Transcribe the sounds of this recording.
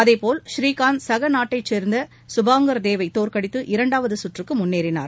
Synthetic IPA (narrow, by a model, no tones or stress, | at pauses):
ɐðeɪpoːlʃɾiːkaːnsɐɣɐnaːʈːɐɪt͡ʃːeːɾnd̪ɐ | sʊbaːŋɡɐɾd̪eːʋɐɪt̪oːɾkɐɽɪt̪ːɯʔɪɾɐɳɖaːʋɐðɯsʊʈrɯkːɯmʊnːeːɾɪna̰ːɾ